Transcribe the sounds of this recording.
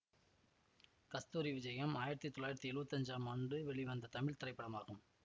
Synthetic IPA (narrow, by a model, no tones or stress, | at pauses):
kɐst̪uːɾiʋɪd͡ʒɐjɐmaːjɪɾɐt̪ːit̪ːɔɭaːjɪɾɐt̪ːiɛɭɯʋɐt̪ːɐɲd͡ʒaːmaːɳɖɯʋɛɭɪʋɐnd̪ɐt̪ɐmɪɭt̪ɪɾɐɪpːɐɽɐmaːɣɯm